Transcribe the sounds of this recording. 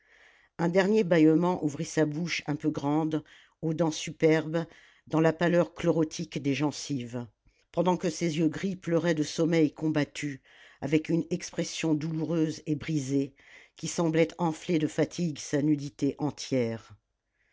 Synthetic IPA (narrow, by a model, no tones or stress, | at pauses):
ɛ̃d̪ɛʁnjebajɔmɑ̃ʔuvʁisabuʃɛ̃pøɡʁɑ̃d̪ | od̪ɑ̃sypɛʁb | d̪ɑ̃lapalœʁklɔʁɔt̪ʰikd̪eʒɑ̃siv | pɑ̃d̪ɑ̃kəsezjøɡʁiplœʁɛd̪əsɔmɛjkɔ̃bat̪ʰy | avɛkynɛkspχɛsjɔ̃d̪uluʁøzebʁize | kʲisɑ̃blɛt̪ɑ̃fled̪əfat̪ʰiɡsanyd̪it̪eʔɑ̃t̪jɛːʁ